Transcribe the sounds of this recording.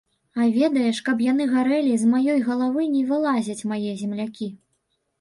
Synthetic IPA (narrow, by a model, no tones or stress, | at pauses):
avʲɛd̪ɐjɛʂkɐbjan̪ɨɣaɾɛlʲizmajɔjɣɐlˠavɨnʲɛvɨlˠazʲɐt͡sʲmajɛzʲɛmlʲakʲi